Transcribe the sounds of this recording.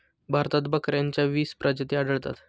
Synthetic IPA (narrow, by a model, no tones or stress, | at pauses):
bʱaɾt̪at̪bəkɾjaɲt͡ɕjaʋiːspɾʔəd͡ʑət̪iaɖəɭt̪a̰t̪